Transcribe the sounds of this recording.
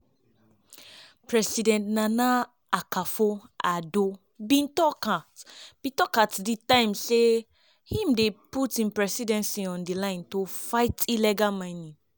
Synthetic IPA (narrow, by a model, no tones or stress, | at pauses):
pɹɛsidɛ̃ntnãna | akafoado | bĩntɔkatb̥ĩtɔkatditãɪ̃mse | hĩmdeputĩmpɹɛsidɛ̃nsiɔ̃ndilãɪ̃ntofaɪtʰilɛɡamãnĩ